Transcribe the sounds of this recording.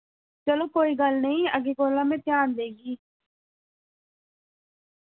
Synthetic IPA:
t͡ʃəloːkoːiːɡəlnəĩəɡekoːlãːmẽːt̪jaːnd̪eːɡiː

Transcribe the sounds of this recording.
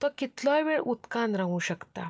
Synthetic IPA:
t̪ɔkit̪lɔ̃jʋeɭut̪kãnɾaɦũːɕəkt̪a̰

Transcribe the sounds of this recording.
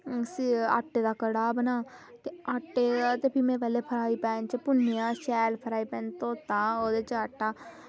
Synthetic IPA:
sa̰ːʈːeːd̪aːkəɽaːbənaːt̪eːaʈːeːat̪eːpʰimɛ̃ːpɛːleːpʰəɾaːiːpɛ̃ːnt͡ʃəpʊnːjãːʃɛːlpʰəɾaːiːpɛ̃ːnt̪õːt̪ãːoːd̪eːt͡ʃaːʈːaː

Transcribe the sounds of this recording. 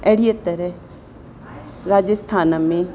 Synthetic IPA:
ɛːɽijət̪əɾɛ | ɾaːd͡ʒəst̪ʰaːnamẽ

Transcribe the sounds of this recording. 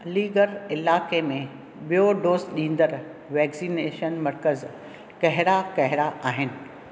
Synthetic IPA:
liːɡəɾɪlaːkemẽ | ɓijoɖoːsɗĩːn̆d̪əɾ | ʋɛːksineːʃənmɐɾkəz | kɐɦɪɾakɐɦɪɾaʔaːɦɪnɪ̆

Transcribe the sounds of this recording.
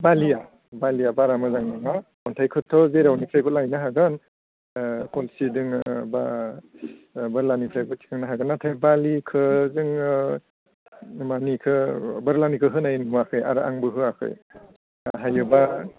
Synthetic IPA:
balija | balijabaɾamɯzaŋnaŋa | ɔntʰajkʰɯtʰɔzeɾawnipʰɾajbɯt̚lajnaɦaɡɯn | kɔlsidɯŋba | bɯɾlanipʰɾajbɯt̚tʰi̥kʰɯŋnaɦaɡɯnːatʰajbalikʰɯzɯŋ | manikʰɯbɯɾlanikʰɯɦɯnajnɯmakʰɯja̰ɾɯa̰ŋbɯɦɯakʰɯ̰j | aɦajɯba

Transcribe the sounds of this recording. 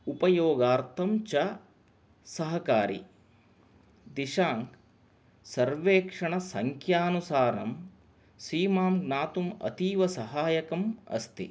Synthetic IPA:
upɐjoːɡaːɾt̪ʰɐmt͡ʃɐ | sɐɦɐkaːɾḭ | d̪iʃaːŋk | sɐɾʋeːkʂɐɳɐsɐŋkʰjaːnusaːɾɐ̰m | siːmaːmɡnaːt̪umɐ̰t̪iːʋɐsɐɦaːjɐkɐmɐ̰st̪ḭ

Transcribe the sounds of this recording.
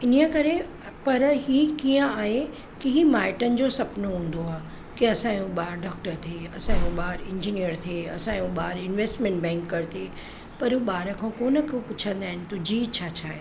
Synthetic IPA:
ɪniəkɐɾe | pɐɾɦiːkiːə̃aːɦe | kiɦimaːɪʈənɪ̆d͡ʑoːsɐpnoɦũːn̆d̪oaː | k̪iɐsãːjũɓaːɾɖaːk̚ʈəɾt̪ʰeːɐsãjũɓaːɾɪ̃ɲd͡ʑinijəɾt̪ʰiːɐ̰sãjũɓaːɾɪnʋeːsʈmẽɳʈbɛ̃ːŋkːɐɾt̪iː | pɐɾɦuɓaːɾəkʰãːkoːnəkʰopʊt͡ɕʰə̃nd̪aːɦɪnɪ̆t̪ʊd͡ʑiːt͡ɕʰaːt͡ɕʰaːɦe

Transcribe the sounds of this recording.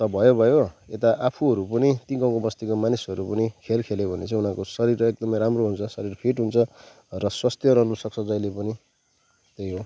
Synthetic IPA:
t̪ʌbʱʌjobʱʌjoet̪aʔapʰuɦʌɾupʌnit̪iɡãw̃kobʌst̪ikomanisʌɾupʌnikʰelkʰelebʱʌnet͡sʌ̃ĩunãkosʌɾiɾek̚d̪ʌmʌjɾamroɦunt͡sʰʌsʌɾirpʰiʈɦunt͡sʰʌ | rʌswast̪ʰjʌɾʌɦnusʌkt͡sʰʌd͡zʌjlepʌni | t̪ejɦo

